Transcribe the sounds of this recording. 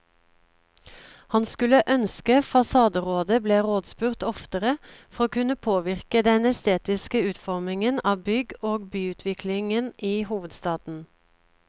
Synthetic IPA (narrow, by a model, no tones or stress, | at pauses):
hɑnskʉləʔœnskəfɑsɑːd̪əʁoːd̪əbleːʁoːd̪spʉːʁt̪ɔft̪əʁəfɔʁoːkʉnəpʰoːʋɪʁkəd̪ɛnɛst̪eːt̪ɪskəʉːt̪fɔʁmɪŋənɑːbʏɡoːɡbyːʉːt̪ʰʋɪkʰlɪŋənʔiːhuːʋəd̪st̪ɑːd̪n̩